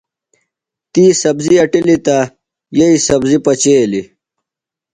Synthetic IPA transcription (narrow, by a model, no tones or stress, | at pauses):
t̪iːsɐbziɐʈilit̪a | jeisɐbzipɐt͡ɕeːli